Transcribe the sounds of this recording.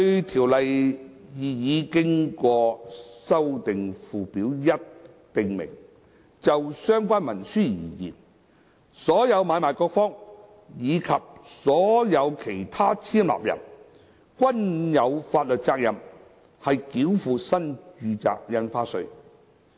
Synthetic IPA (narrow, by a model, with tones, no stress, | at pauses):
ɵ˧t̪ʰiː˨˩wlɐ˨j | jiː˨˩jiː˨˧kɪ˥ŋkɔː˧sɐ˥wt̪ɪ˨ŋfuː˨piː˨˥wjɐ˥t̚ | t̪ɪ˨ŋmɪ̰˨˩ŋ | t͡sɐ˨wsœː˥ŋkʷaː˥nmɐ˨˩nsyː˥jḭː˨˩jḭː˨˩n | sɔː˨˥jɐ˨˧wmaː˨˧jmaː˨˩jkɔː˧k̚fɔː˥ŋ | jiː˨˧kʰɐ˨p̚sɔː˨˥jɐ˨˧wkʰe˨˩jt̪ʰaː˥t͡sʰiː˥mla̰ː˨p̚jɐ̰˨˩n | kʷɐ˥njɐ˨˧wfaː˧t̚lɵ˨t̚t͡saː˧k̚jɐ˨m | hɐ˨jkiː˨˥wfuː˨sɐ˥nt͡ʃyː˨˧t͡sa̰ː˧k̚jɐ˧nfaː˥sɵ˧ɥ